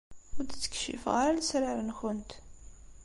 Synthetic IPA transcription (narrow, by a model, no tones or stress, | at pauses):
ʊɾd̪t͡sːə̥kʃḭfʁaɾalæsɾaɾənxʊnt̪